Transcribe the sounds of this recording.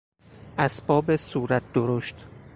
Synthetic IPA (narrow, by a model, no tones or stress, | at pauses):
ʔæsbɒːbesuːɾæt̪̚d̪̥oɾoʃt̪